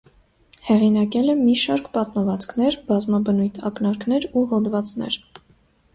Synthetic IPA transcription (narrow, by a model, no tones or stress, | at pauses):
hɛʁinɑkɛlɛmiʃɑɾkpɑt̪məvɑt͡skʰnɛɾbɑzmɑbənujt̪ʰɑ̰knɑɾkʰn̪ɛɾuɦɔd̪vɑt͡snɛ̰ɾ